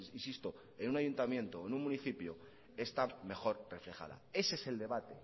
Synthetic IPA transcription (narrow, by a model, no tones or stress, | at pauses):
insist̪o̞ | enunaʝunt̪amjẽ̞nt̪oonũŋmuniθipjo | e̞st̪ame̞xo̞ɾre̞fle̞xa̰ða̰e̞seese̞ld̪e̞β̞at̪e̞